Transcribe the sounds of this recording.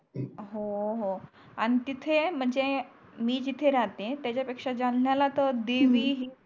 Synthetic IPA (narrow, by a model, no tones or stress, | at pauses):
ɦoɦo | añit̪it̪ʰem̤əɳd͡ze | miːd͡ʑit̪ʰeɾat̪et̪jat͡ɕapekʂad͡zanljalat̪əd̪eʋiɦi